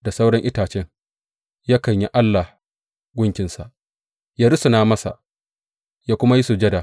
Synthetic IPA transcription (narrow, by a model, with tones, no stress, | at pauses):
da˨sa˦wɽɐ˦ŋʔɪ˦taː˨t͡ʃɛ˦ŋ | jaː˦kɐ˨ɲji˦ʔa˦lːa˨ | ɡʷʊ˦ŋkʲɪ˨nsa˨ʔ | jaː˦ɾʊ˦sʊ˨naː˦mɐ˦sa̰˨ʔ | jaː˦kʷʊ˦ma˦ji˦su˨d͡ʒɐ˦da˨